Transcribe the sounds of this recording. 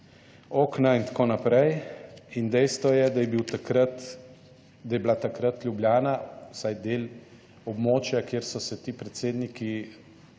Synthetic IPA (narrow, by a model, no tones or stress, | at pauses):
oːknaint̪koːnapɾɛjind̪ɛjst̪ʋɔjɛd̪ajɛbiwt̪akɾat̪ | d̪ajɛblat̪akɾat̪lʲjubljaːnawsajd̪eːl | ɔbmoːt͡ʃjakjeːɾsɔsɛt̪iːpɾɛt̪seːd̪niki